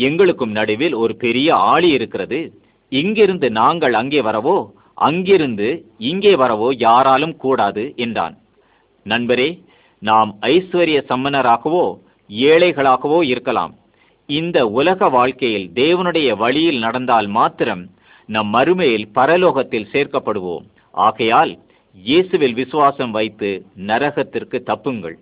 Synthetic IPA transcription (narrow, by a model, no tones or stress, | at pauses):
ɛŋɡɐɭɯkːɯmnɐɽɯʋɪlɔɾɯpɛɾɪjɐaːɭiɪɾɯkːɪrɐðɯ | ɪŋɡɪɾɯnd̪ɯnaːŋɡɐɭɐŋɡeːʋɐɾɐʋoː | ʔɐ̰ŋɡɪɾɯnd̪ɯɪŋɡeːʋɐɾɐʋoːjaːɾaːlɯmkuːɽaːðɯʔɛndra̰ːn | nɐnbɐɾeː | naːmɐɪsʋɐɾɪjɐsɐmːɐnɐɾaːɣɐʋoː | eːɭɐɪɣɐɭaːɣɐʋoːɪɾɯkːɐla̰ːm | ɪnd̪ɐʊlɐɣɐʋaːɭkɐjɪld̪eːʋɐnɯɽɐjɐʋɐɭɪjɪlnɐɽɐnd̪aːlmaːt̪ːɪɾɐm | nɐmːɐɾɯmɐjɪlpɐɾɐloːɣɐt̪ːɪlseːrkɐpːɐɽɯʋo̰ːm | ʔa̰ːɣɐjaːl | jeːsɯʋɪlʋɪsɯʋaːsɐmʋɐɪt̪ːɯnɐɾɐɣɐt̪ːɪrkɯt̪ːɐpːɯŋɡɐ̰ɭ